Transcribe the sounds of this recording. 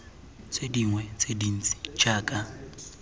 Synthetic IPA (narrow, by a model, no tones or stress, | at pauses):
t͡sʼediŋwɛt͡sʼedin̩t͡sʼi̥t͡ʃʼaːkʼa